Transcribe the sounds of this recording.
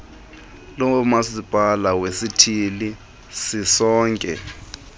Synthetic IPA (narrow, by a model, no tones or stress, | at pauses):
lɔmasib̥ʱalawesitʰili | sisɔːŋkʼɛ̰